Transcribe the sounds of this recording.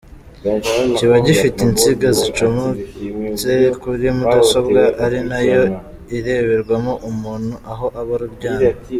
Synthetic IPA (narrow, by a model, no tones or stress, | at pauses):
ciβaɟifitint͡siɡazit͡ʃomozekuɾimudaso̞bɡaʔaɾinajo̞ | iɾe̞βeɾɡwamoʔumuːn̥huʔaɦo̞ʔaβoɾuɾɟaːa